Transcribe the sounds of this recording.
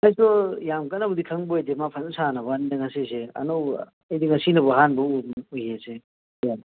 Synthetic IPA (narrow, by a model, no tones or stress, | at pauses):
ajsɔjamkanːɐbɐdikʰɐŋbojdemapʰɐnsanɐβɐndɐŋɐsiseɐ̰nɔw | ɐjdiŋɐsinɐbɐɦanbɐuojese | ja